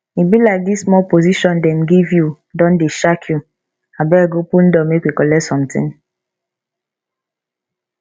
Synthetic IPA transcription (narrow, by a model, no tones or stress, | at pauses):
ibilaɪk̚dismɔlpoziʃɔndɛm̩ɡivju | dɔ̃ndeʃakʰju | abɛɡopun̩dɔmekʷikɔlɛtsɔ̃m̩tɪ̰̃ŋ